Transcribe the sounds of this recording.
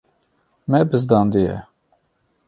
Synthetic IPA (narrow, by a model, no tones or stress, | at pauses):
mɛbɨzd̪ɑːnd̪ijɛ̰